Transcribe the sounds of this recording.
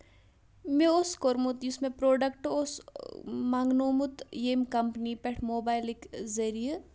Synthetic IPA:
meoskoɾmut̪jusmẽpɾoːɖɐkʈos | maŋɡnoːmut̪jemkɐmpnipɛʈʰmoːbaːjlikzɐɾije

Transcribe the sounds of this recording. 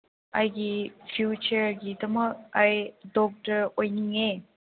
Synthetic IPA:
ajɡipʰjut͡ʃəɾɡidɐmək̚ajdɔk̚təɾojniŋe

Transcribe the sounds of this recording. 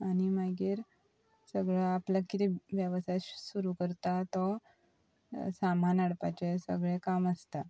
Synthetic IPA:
añimaɡiːɾ | səɡɭaaplakit̪iʋjəʋsasuɾukəɾt̪at̪ɔ | sam̤anaɽpat͡ɕesə̰ɡɭɛ̃kaməst̪a

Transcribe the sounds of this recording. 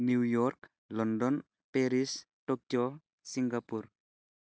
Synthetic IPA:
nujɔrk | lɔndɔn | peɾis | ʈɔk̚jɔ | siŋɡapur

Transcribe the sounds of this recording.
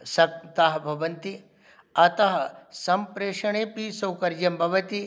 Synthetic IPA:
sɐkt̪ɐɦɐbʱɐʋɐnt̪i | ɐt̪ɐɦɐsɐmpɾeːʂɐɳeːpisɐwkɐɾd͡ʒɐmbʱɐʋɐt̪i

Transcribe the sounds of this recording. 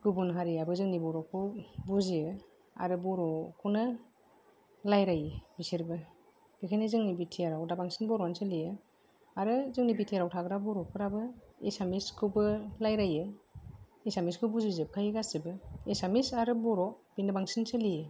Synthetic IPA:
ɡ̥ubunɦaɾiabɯzɯŋnibɔɾɔkʰːɯbuzijɯ | a̰ɾɯbɔɾɔkʰunɯ | lajɾajɯbisiɾbɯ | ɡ̥ikʰajnizɯŋnibitʰiaɾawdabaŋsinbɔɾɔnsɯlijɯ | aɾɯzɯŋnibitʰijaɾawtʰaɡɯɾabɔɾɔkʰɯɾabɯesamiskʰɯwbɯlajɾajɯ | esamiskʰɯwbuzizɯb̚kʰajɡasdibɯesamisaɾɯbɔɾɔbinɯbaŋsinsɯlijɯ

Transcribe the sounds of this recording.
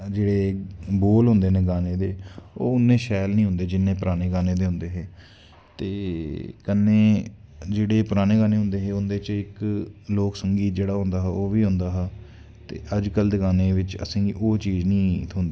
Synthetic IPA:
d͡ʒeːɽeːboːlɦʊ̃nd̪eːneːɡaːneːd̪eːoːʊnːẽːʃɛːlnĩːɦʊ̃nd̪eːd͡ʒɪnːẽːpɾaːneːɡaːneːd̪eːɦʊ̃nd̪eːɦeː | t̪eːkənːẽːd͡ʒeːɽeːpəɾaːneːɡaːneːɦʊ̃nd̪eːɦeːʊnd̪eːt͡ʃɪkloːksəŋɡiːt̪̚d͡ʒeːɽaːɦʊ̃nd̪aːɦɛoːʋiːɦʊ̃nd̪aːɦɛː | t̪ḛːʔəd͡ʒkəld̪eɡaːneːʋɪt͡ʃə̰sẽːɡḭːʔoːt͡ʃiːznĩːʊnd̪e

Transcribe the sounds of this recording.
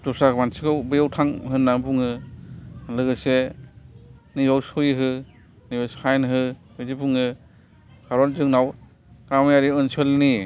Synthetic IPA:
tɔsakmansikʰɯwbɯjawtʰaŋɦɯnːabuŋɯ | lɯɡɯse | nizɔwsujiɦɯ | nibɔsajnɦɯ | bɯzibuŋɯ | kʰaɾɔnzɯŋnaw | kamjaɾiɯnsɯlni

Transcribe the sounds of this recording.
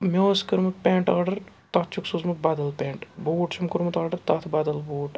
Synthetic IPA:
mʲoːskɨɾmɨpʲeːɳʈaːɖɐɾ | t̪ɐt̪̚t͡ʃʰuksuzmɐt̪̚bɐd̪ɐlpʲeːɳʈboːʈt͡ʃʰumkuɾmɐt̪aːɖɐɾt̪ɐt̪ʰbɐd̪ɐlboːʈ

